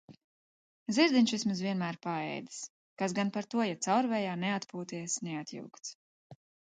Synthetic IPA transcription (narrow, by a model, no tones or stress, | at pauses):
ziɾd̪inʲt͡ʃvismuzviɛnmæːɾpaɛ̰jd̪i̥s | kasɡanpaɾt̪uɔjat̪sawɾvɛjaːnɛat̪puːt̪iɛsnɛat̪jṵwkt̪s